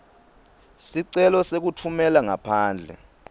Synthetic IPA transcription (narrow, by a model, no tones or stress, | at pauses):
siǀɛlɔsek̬utʰumɛlaŋapʰaːnd͡ɮʱɛ̰